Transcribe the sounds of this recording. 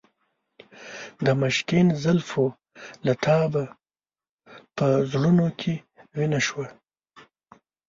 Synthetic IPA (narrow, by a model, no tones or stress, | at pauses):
d̪əmaʃkinzalfo | lat̪ʰɑba | pəzlunokʰe | winaʃwa